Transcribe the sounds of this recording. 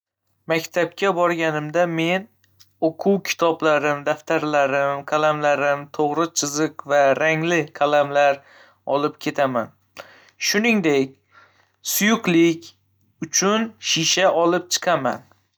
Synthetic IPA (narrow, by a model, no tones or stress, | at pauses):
makʲt̪ʰap̚kʲʰabɒɾɡʲanɪmd̪ame̞n | oqʰuwkʲʰɪ̥t̪ʰɒblaɾɪmd̪aft̪ʰaɾlaɾɪmkʰalamlaɾɪmt̪ʰoʁɾɨt͡ʃʰɨzɨqvaɾaŋlɪkʰalamlaɾ | ɒlˠɪp̚kʲʰe̞t̪ʰaman | ʃʊnɪŋd̪ekʲ | sʊjʊqlˠɪkʲ | ʊt͡ʃʰʊnʃiʃaʔɒlˠɪp̚t͡ʃʰɨ̥qʰama̰n